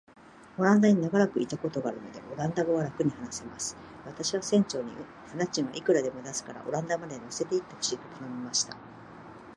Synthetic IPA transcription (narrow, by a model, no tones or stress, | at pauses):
o̞ɾãnd̪aɲ̟inaɡaɾakɯ̟it̪ako̞t̪o̞ɡaːɾɯ̟no̞̰d̪e̞̰ʔo̞ɾãnd̪aɡoβaɾakɯ̟ɲ̟ihanase̞masɨ̥ | βat̪aɕiβasẽ̞ɲ̟t͡ɕo̞ːɲ̟ḭ | hanat͡ɕĩɰ̃βa̰ʔikɯ̟ɾad̪e̞mo̞d̪asɨ̥kaɾa̰ʔo̞ɾãnd̪amad̪eɲʲose̞t̪e̞it̪ːakɕit̪ot̪ʰanomʲimaɕi̥t̪a̰